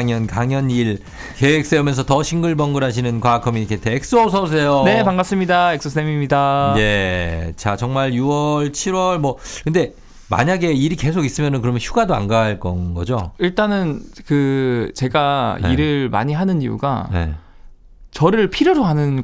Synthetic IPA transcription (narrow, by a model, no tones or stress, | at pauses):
ŋjʌnkaŋjʌniɭ | keek̚s͈eumjʌnsʰʌtʌɕʰiŋɡɯɭbʌŋɡɯɾɦaɕ̬ʰinɯnkwakʰʌminikʰetʰeek̚s͈ɯʌsʰʌs̬ʰe̞jone̞paŋɡas͈ɯmɲidaek̚s͈ɯs͈ʰemimɲidaje̞t͡ɕat͡ɕʌŋmaɭjuwʌɭt͡ɕʰiɾwʌɭmwʌkɯnde̞ | ma̰ɲaɡe̞iɾike̞sʰoɡis͈ɯmjʌnɯnkɯɾʌmjʌnɕʰuɡadoa̰nɡaɭk͈ʌ̰nɡʌd͡ʑoiɭt͈anɯnkɯt͡ɕe̞ɡaḭɾɯɭma̰ɲiɦanɯnḭjṵɡa̰ne̞̰ | t͡ɕʌɾɯɭpʰiɾjoɾoɦanɯn